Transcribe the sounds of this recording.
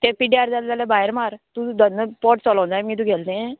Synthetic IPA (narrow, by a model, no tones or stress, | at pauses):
t̪epiɖiaɾd͡zalt̪alebajɾmaɾt̪ũd̪ənːəpɔʈt͡sɔlɔw̃nd͡z̪amŋit̪ũːɡʱɛlt̪ẽ